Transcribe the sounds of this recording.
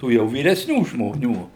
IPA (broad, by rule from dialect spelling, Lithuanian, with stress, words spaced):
ˈtuː jɛʊ ʋʲiːrʲɛsʲˈnʲuː ʒmoːˈnʲuː